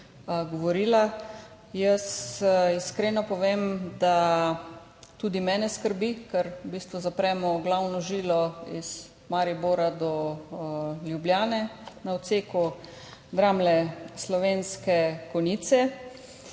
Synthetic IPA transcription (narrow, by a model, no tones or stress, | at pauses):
ɡɔʋɔɾiːla | jəsiskɾeːnɔpɔʋeːmd̪a | t̪ud̪imɛːnɛskəɾbikɛɾbiːst̪ʋuzapɾɛːmɔɡlawnɔʒiːlɔiz̥ | maɾiboːɾad̪ɔ | ljubljaːnɛnawt̪seːku | d̪ɾaːmlɛslɔʋeːnskɛkɔniːt̪sɛ